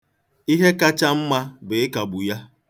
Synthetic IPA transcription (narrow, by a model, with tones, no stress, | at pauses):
i˦ɦe˦ka˦t͡ʃa˦m̩˦ma˦be˨ɪ˦ka˨bu˨ja˦